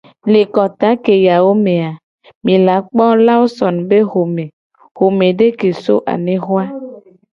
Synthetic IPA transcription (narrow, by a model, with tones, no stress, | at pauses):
le˨kɔ˨t̪a˦ke˨ja˨wo˦mẽ˨a˨ | mĩ˨la˨˦k͡pɔ˦la˦wo˦sɔ˨nbe˦ɦo˨mẽ˨ | ho˨mẽ˨ɖe˦ke˨so˦ʔa̰˨nẽ˨xo˦a˦